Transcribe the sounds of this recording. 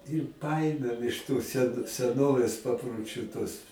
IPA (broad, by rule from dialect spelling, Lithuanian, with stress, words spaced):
ɪr ˈpɐeːmʲeːm ɪʃ toːs sʲɛn sʲɛˈnoːʋʲeːs pɐproːˈt͡ʃʲuː tuɔs